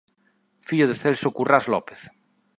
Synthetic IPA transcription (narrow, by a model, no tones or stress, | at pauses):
fiʎoð̞eθelsokurazlɔpe̥θ